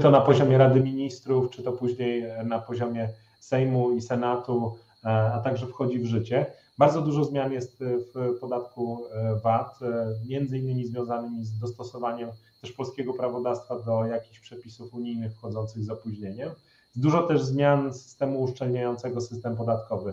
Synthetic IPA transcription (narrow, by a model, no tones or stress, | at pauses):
t̪ɔnapɔʑɔmʲjɛɾad̪ɘmʲiɲist̪ɾuft͡ʂɘt̪ɔpuʑɲejnapɔʑɔmʲjɛ | sɛjmuisɛnat̪u | at̪aɡʐɛfxɔd͡ʑivʐɘt͡ɕɛ | baɾd̪zɔd̪uʐɔzmʲjanjɛst̪fpɔd̪at̪kuvat̪mʲjɛnd̪zɘinːɘmʲizvʲjɔ̃w̃zanɘmʲizd̪ɔst̪ɔsɔvaɲɛmt̪ɛʂpɔlskʲɛɡɔpɾavɔd̪afst̪fad̪ɔjakʲi̥xɕpʂɛpʲisufuɲijnɘxfxɔd̪zɔnt̪sɘɣzɔpuʑɲeɲɛm | zd̪uʐɔt̪ɛʐzmʲjansɘ̥st̪ɛmuːʂt͡ʂɛlɲajɔnt̪sɛɡɔsɘst̪ɛmpɔd̪at̪kɔvɘ